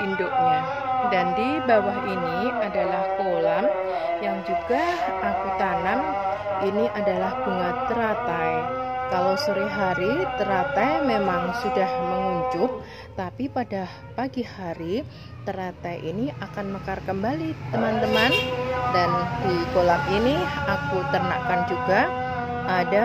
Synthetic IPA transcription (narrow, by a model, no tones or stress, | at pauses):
indoʔɲa | dandibawaɦiniadalahkolam | jaŋd͡ʒuɡa | akut̪anam | iniʔadalahb̥uŋat̪ːəɾat̪ajkalawsəɾiɦaɾit̪əɾat̪ajmemaŋsudahməŋuɲd͡ʒʊp̚ | t̪apipada | paɡihaɾi | t̪əɾat̪ajʔḭniʔakanməkarkəmbalit̪əmant̪əmandandikolaminiakut̪ərnakand͡ʒuɡa | ʔada